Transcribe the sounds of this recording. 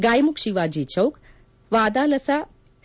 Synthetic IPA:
ɡaːjmukʃiʋaːd͡ʒeːt͡ʃʰɐwk | ʋaːd̪aːlɐsaː

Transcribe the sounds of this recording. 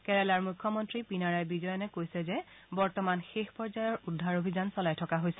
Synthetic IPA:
kɛɹɛlaɹmukʰːɔmɔntɹipinaɹajbizɔjɔnɛkojsɛzɛ | bɔɹtɔmanxexpɔɹzajɔɹudʱːaɹobʱizansɔlajtʰɔkaɦojsɛ

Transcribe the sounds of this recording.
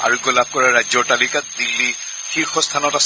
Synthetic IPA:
a̰ɹuɡɔlab̚kɔɹaɹajzɔtalikat̚dilːi | xiɹxɔstʰanɔtas

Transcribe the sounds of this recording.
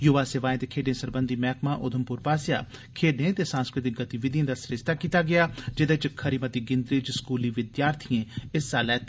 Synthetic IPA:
jʊʋaːseːʋaːẽːt̪eːkʰeːɖẽːsəɾbənd̪iːmɛːkmãːʔʊd̪ʰʱəmpʊɾpaːsja̰ː | kʰeːɖẽːt̪eːsãːnskɾɪt̪ɪk̚ɡət̪iʋɪd̪ijẽːd̪aːsɾɪʃt̪aːkiːt̪aːɡɪaːd͡ʒɪd̪eːt͡ʃkʰːəɾiːmət̪iːɡɪ̃nd̪ɾid͡ʒskuːliːʋɪd̪jaːɾt̪ʰijẽːɪsːaːlɛːt̪

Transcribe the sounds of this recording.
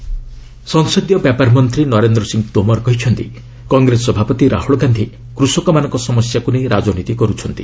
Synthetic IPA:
sɔŋsɔd̪jɔpepaɾmɔnt̪ɾinɔɾend̪ɾɔsiŋɡt̪omɔɾkɔɦit͡ʃʰɔnt̪ḭ | kɔŋɡɾesɔbʱapɔt̪iɾa̰huɭɔɡand̪ʱi | kɾusɔkɔmanɔ̃ŋkɔsɔmɔsjakuneɾad͡ʒɔnit̪ikɔɾut͡ʃʰɔnt̪i

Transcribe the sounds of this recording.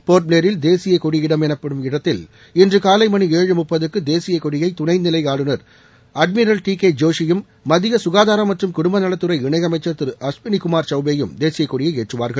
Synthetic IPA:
poːɾʈ̚leːɾɪld̪eːsɪjɐkɔɽɪjɪɽɐmɛnɐpːɐɽɯmɪɽɐt̪ːɪl | ɪndrɯkaːlɐɪmɐɳieːɻɯmʊpːɐðɯkːɯd̪eːsɪjɐkɔɽɪjɐɪt̪ʊɳɐɪnɪlɐɪaːɽɯnɐɾ | ɐɖmɪɾɐlʈiːked͡ʒoːʂɪjɯmː | ɐðɪjɐsʊɣaːðaːɾɐmːɐʈrɯmkʊɽʊmbɐnɐɭɐt̪ːɯɾɐɪɪɳɐɪɐmɐɪt͡ʃːɐɾt̪ɯɾɐspɪnikʊmaːɾt͡ʃɐʊbejɯmd̪eːsɪjɐɪkːɔɽɪjɐɪeːʈrɯʋaːɾɣɐɭ

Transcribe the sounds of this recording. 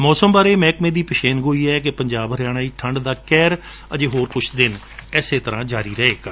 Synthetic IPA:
mɔːsəmbaːɾeːmɛ̃ːkmẽːd̪iːpəʃeːnɡoːiːɛːkɪpəɲd͡ʒaːbəɾjaːɽ̃aːiːʈʰəɳɖd̪aːkɛːɾ | ə̰d͡ʒeːɦoːɾkʊt͡ʃʰd̪ɪn | ɛːseːt̪əɾãːd͡ʒaːɾiːɾəɦeːkː

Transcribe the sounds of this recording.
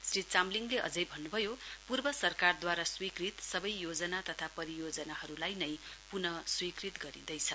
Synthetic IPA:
srit͡samliŋleʔʌ̰d͡zʌjbʱʌnːubʱʌjopurbʌsʌrkard̪waɾaswikrit̪sʌbʌjjod͡zʌnat̪ʌt̪ʰapʌɾijod͡zʌnaɦʌɾulajnʌjpunʌswikrit̪ɡʌɾḭd̪ʌjt͡sʰʌ

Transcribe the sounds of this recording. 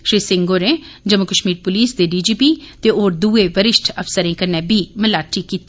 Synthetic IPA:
ʃɾiːsɪŋɡoːɾẽː | d͡ʒəmʊkəʃmiːɾpʊliːsd̪eːɖiːd͡ʒiːpiːt̪eːoːɾd̪uːeːʋəɾɪʃʈʰəpʰsəɾẽːkəɾnɛ̃ːbiːməlaːʈiːkiːt̪ː

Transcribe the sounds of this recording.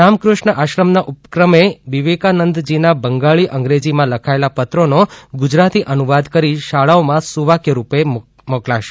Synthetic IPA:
amkɾʊʃnəʔaʃɾəmnaʔupkɾəmeʋiʋekanənd̪d͡ʒinabəŋɡaɭiʔəŋɡɾed͡ʒimãləkʰaelapət̪ɾonoɡʊd͡ʒɾat̪iʔənuʋad̪kəɾiʃaɭaomãsuʋakjəɾupe | moklaʃe̥

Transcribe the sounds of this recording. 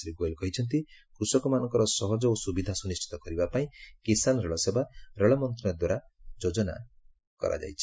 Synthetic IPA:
ɾiɡojlkɔɦit͡ʃʰɔnt̪ikɾusɔkɔmanɔŋkɔɾɔsɔɦɔd͡ʒɔosubid̪ʱasunist͡ʃʰi̥t̪ɔkɔɾibapaĩkisanɾeɭɔsebaɾeɭɔmɔnt̪ɾɔad̪waɾad͡ʒod͡ʒɔna̰ | kɔ̰ɾʔa̰d͡ʒa̰jt͡ʃʰi̥

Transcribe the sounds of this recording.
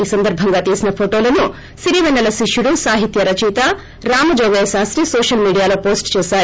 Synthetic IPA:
iːsɐnd̪ɐɾbʱɐŋɡaːt̪iːsinɐpʰoʈo̞ːlɐnu | siɾiːʋɐnːɐlɐʃiʂjuɽusaːɦit̪jɐɾɐt͡ʃiːt̪ɐ | ɾaːmɐd͡ʒɔːɡɐjɐsaːsɾisoːʂɐlmiːɖijaːlo̞ːpoːsʈt͡ʃɛːʃaːɾu

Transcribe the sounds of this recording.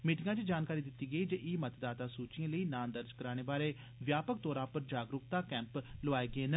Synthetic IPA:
miːʈɪŋɡãːt͡ʃed͡ʒaːnkaːɾiːd̪ɪt̪ːiːɡəiːd͡ʒəʔiːmət̪d̪aːt̪aːsuːt͡ʃiãːləiːnãːnd̪əɾd͡ʒkəɾaːɽ̃eːbaːɾeː | ʋjaːpək̚d̪oːɾaːpəɾd͡ʒaːɡɾʊkt̪aːkɛ̃ːmploʋaːeːɡəeːnə

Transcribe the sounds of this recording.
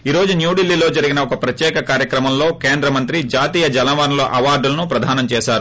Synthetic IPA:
iːɾo̞ːd͡ʒunjuːɖilːilo̞ːd͡ʒɐɾiɡinɐɔkɐpɾɐt̪jɛːkɐkaːɾjɐkɾɐmɐmlo̞ːkeːnd̪ɾɐmɐnt̪ɾid͡ʒaːt̪iːjɐd͡ʒɐlɐʋaːnɐlo̞̰ːʔɐʋaːɾɖulɐnupɾɐd̪ʱaːnɐmt͡ʃɛːʃaːɾu

